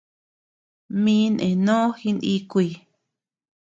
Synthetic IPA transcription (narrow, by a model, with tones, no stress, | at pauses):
mĩ˧˦nʔḛ̃˨nõ˦xi˧˦ni˧kʷi˧˨